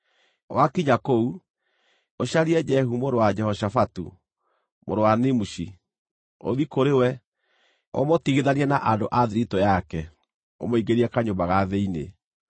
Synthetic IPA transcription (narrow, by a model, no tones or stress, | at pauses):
wakiɲakou | oɕaɾiɛd͡ʒɛhumoɾowad͡ʒɛhɔʃafatṵ | mo̰ɾowanemuʃi | o̰ðikoɾewɛ | o̰motiɣeðaniɛnaʔandoʔaðiɾitojakɛ | o̰moiɡeɾiɛkaɲombaɣaðeinḛ